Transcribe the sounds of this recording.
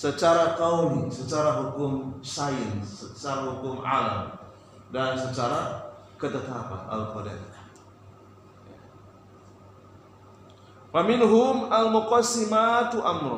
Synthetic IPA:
sət͡ʃaɾatawlisət͡ʃaɾaɦukʊmsajənsət͡ʃaɾaɦukʊmʔa̰lam | dansət͡ʃaɾa | kət̪ət̪apa̰a̰lkodɛ̰t | ja | famɪnɦʊmalmʊqasːimat̪uʔamɾʊ

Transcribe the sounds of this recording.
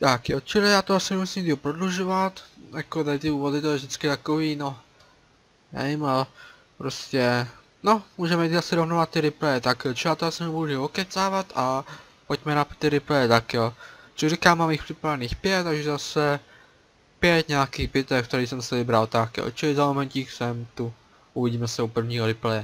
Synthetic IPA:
t̪akjot͡ʃɪlɪjaːt̪oasɪnɛmusiːmd̪iɦopɾod̪luʒovat̪jakod̪at̪ɪuːvʋod̪ɪt̪oɛvʒd̪ɪt͡skɪt̪akoʋiːno | ja̰imal | pɾoscɛ | nomuːʒɛmɛiasɪɾovnovat̪̚ːɪɾɪplɛjɛt̪akjot͡ʃɪlijaːt̪oasɪnɛmuʒiokɛt͡saːvat̪a | pocmɛnat̪ɪɾɪplɛjɛt̪akjot͡ʃrikaːmːaːmixpr̥ɪpɾavɛniːxpjɛt̪ːaɡʒɛzasɛ | pjɛt̪ɲɛakiːxbɪt̪ɛkt̪ɛɾiːsɛmsɛvɪbɾaot̪aːkɪjo̰t͡ʃɪlɪzamomɛɲcixsɛmt̪u | ʔuviɟiːmɛsɛupr̩vɲiːɦoɾɪplɛjɛ

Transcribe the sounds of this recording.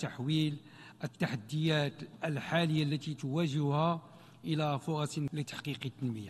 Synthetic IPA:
t̪aħwil | ʔət̪ːaħad̪ːəjæt̪ʔəlħaləjːalːæt̪it̪wæʒɪhæ | ʔəlæfoɾˤɑslət̪ːḁħqiqit̪ːənməjːa

